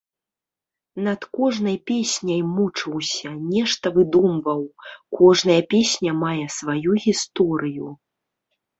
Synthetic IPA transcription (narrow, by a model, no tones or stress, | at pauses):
nɐt̪kɔʐnɐjpʲesʲnʲɐjmut͡ʂɨwsʲɐnʲɛʂt̪ɐvɨd̪umvɐwkɔʐnɐjɐpʲesʲnʲɐmajɛsvajuɣʲist̪ɔɾɨju